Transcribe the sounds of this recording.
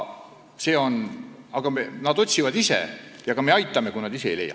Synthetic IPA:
se̞ːo̞nɑɡ̥ɑmenɑd̪o̞t̪ʲsivɑd̪isḛjɑkɑme̞ɑjt̪ːˑɑme̞kujnɑd̪ise̞ejle̞̰jːɑ̰

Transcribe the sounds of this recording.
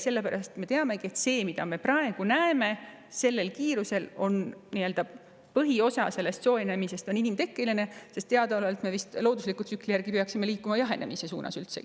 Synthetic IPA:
se̞lːe̞pæɾʔɑst̪me̞t̪eɑme̞ɡie̞t̪se̞ːmid̪̥ɑ̰me̞prɑeɡ̥unæeme̞ | se̞lːe̞lkiːɾuse̞lo̞nniø̞ld̪ɑ | pɤɦio̞sɑ̰se̞lːe̞st̪so̞ːene̞mise̞st̪o̞ninimt̪e̞kːiline̞se̞st̪t̪ːeɑd̪ɑɑlɑlt̪me̞vist̪loːd̪uslikːˑult̪syklijærɡ̥ipeɑksime̞liːkːˑumɑjɑɦe̞nʔe̞̰mise̞sṵːnʔɑ̰sylt̪se̞̰

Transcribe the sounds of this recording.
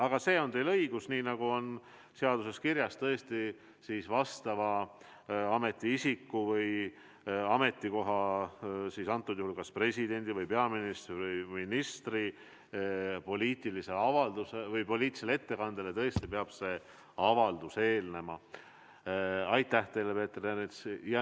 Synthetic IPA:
ɑɡ̥ɑse̞ːo̞nt̪e̞jlɤjɡ̥usniːnɑɡ̥uo̞n | seɑd̪̥use̞skiɾjɑst̪ɤe̞st̪i | sisvɑst̪ɑvɑ | ɑme̞t̪ːˑiisikːuvɤj | ɑme̞t̪ˑːiko̞ɦɑ | sisɑnt̪ːˑud̪̥juhulkɑspre̞sʲid̪e̞nʲd̪̥ivɯjpeɑminist̪ɯjminist̪ri | po̞liːt̪ˑilise̞ɑvɑld̪usevɯjpo̞lʲiːt̪ːi̥selet̪ːe̞kɑnd̪elet̪ɤ̞est̪ipeɑb̥se̞ | ɑvɑld̪use̞ːlne̞mɑ | ɑjt̪ːˑæht̪e̞jlepe̞ːt̪ːrenesjɑ

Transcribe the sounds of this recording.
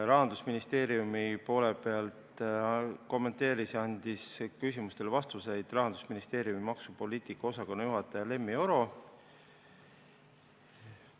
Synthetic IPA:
ɾɑɦɑnd̪̥usminist̪e̞ːɾjumipo̞ːle̞pe̞ɑlt̪ | ko̞mːe̞nt̪e̞ːɾisɑnʲd̪̥iskysʲimust̪e̞lvɑst̪use̞jd̪̥rɑɦɑnd̪̥usminist̪e̞ːɾijumimɑksupo̞liːt̪ikːɑo̞sɑkonːɑjuɦɑt̪ːˑɑjɑle̞mːio̞ɾo̞

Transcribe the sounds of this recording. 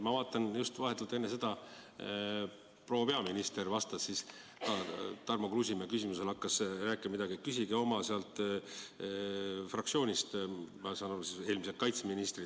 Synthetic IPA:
mɑvɑːt̪ːˑɑnjust̪vɑɦet̪ːˑult̪enːese̞d̪̥ɑ | pro̞ːwpe̞ɑminist̪e̞rvɑst̪ɑsːis | k̪ɑt̪ɑrmokrusʲimekysʲimuse̞lɑkːɑsræːkːˑiɑmid̪ɑɡ̥iekːysʲiɡeo̞mɑseɑlt̪ˑ | frɑksio̞ːnʲist̪mɑsɑnɑrsise̞ːlmisekɑjt̪seminist̪ri

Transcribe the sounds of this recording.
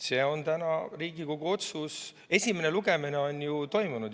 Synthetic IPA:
se̞ːo̞nt̪ænɑriːɡiko̞ɡ̥uo̞t̪sus | e̞sʲimene̞luɡe̞mine̞o̞njut̪o̞jmunud̪

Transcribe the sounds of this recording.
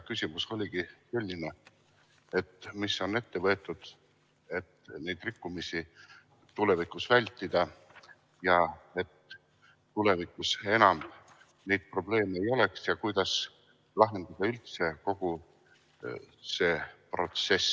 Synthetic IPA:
kysʲimuso̞lʲiɡise̞lʲːine̞ | e̞t̪misːo̞ne̞t̪ːe̞vɤ̞et̪ːˑud̪̥ | e̞t̪ne̞jd̪̥rikːumisi | t̪ːule̞vikˑusvælʲt̪ːˑid̪̥ɑ | jɑe̞t̪ː | ule̞vikˑuse̞nɑm | ne̞jd̪̚pro̞ble̞ːmeejo̞le̞ksjɑkujd̪̥ɑs | lɑɦe̞nd̪̥ɑd̪̥ɑylt̪se̞ko̞ɡ̥u | se̞ːpro̞t̪se̞s

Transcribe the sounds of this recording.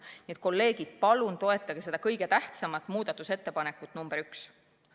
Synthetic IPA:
niet̪̚ˑko̞lːe̞ːɡ̥id̪̥̚pɑlunt̪o̞e̞t̪ːˑɑɡ̥ese̞d̪ɑkɤjɡe̞t̪æht̪sɑmɑt̪ːˑmuːd̪̥ɑt̪ːˑuse̞t̪ːe̞pɑne̞kːˑut̪ːˑnumb̥eɾyks

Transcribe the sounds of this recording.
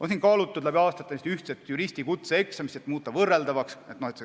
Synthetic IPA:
ʔonsinkɑːlut̪ːud̪̥læbiɑːst̪ɑt̪ːˑɑnist̪yht̪set̪ːjuɾisʲt̪ikut̪seeksɑmist̪et̪ːˑmuːt̪ˑːɑvɤrːeld̪ɑvɑkset̪nohet̪se

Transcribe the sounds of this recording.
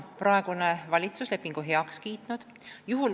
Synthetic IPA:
prɑeɡ̥unevɑlʲit̪susle̞pːiŋɡ̥uɦe̞ɑkskiːt̪nud̪̥ | juɦul

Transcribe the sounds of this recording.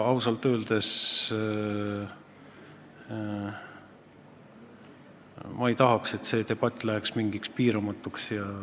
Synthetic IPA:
ɑwsɑlt̪ˑøːld̪̥e̞s | mɑejt̪ɑɦɑkse̞t̪se̞t̪e̞b̥ɑt̪ːˑlæɦɛksmiŋɡ̥ikspiːɾɑmɑt̪ːˑuksjɑ

